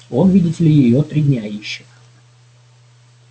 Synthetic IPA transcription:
onvʲidʲɪtʲɪlʲɪjɪjot̪ɾʲidʲnʲaiɕːɪ

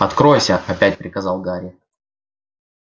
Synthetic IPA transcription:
ɐt̪kɾo̞jsʲəɐpʲæt̚ʲpɾʲɪkɐzɑlˠɡaɾʲɪ

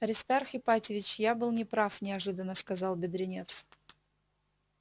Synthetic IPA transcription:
ɐɾʲɪst̪arxɪpatʲɪvʲɪt͡ɕjabɨlˠnʲɪpɾafnʲɪɐʐɨd̪ənːəskɐzɑlˠbʲɪd̪ɾʲɪnʲet̪s

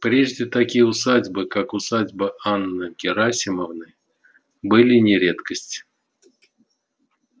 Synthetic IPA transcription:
pɾʲeʐdʲɪt̪akʲijʊsad͡zʲbɨkakʊsad͡zʲbəanːɨkʲɪɾasʲɪməvnɨ | bɨlʲɪnʲɪɾʲet̪kəsʲtʲ

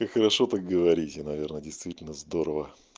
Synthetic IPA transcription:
kakxəɾɐʂot̪ak̚ɡəvɐɾʲitʲɪnɐvʲernədʲɪjst̪vʲitʲɪlʲnəzd̪o̞ɾəvə

